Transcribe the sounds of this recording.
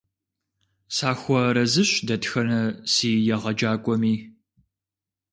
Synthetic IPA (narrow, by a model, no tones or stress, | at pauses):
saːxʷɔɾɐzɨɕdɐtxɐnɐsiːjɛʁɐd͡ʒaːkʷʼɔmiː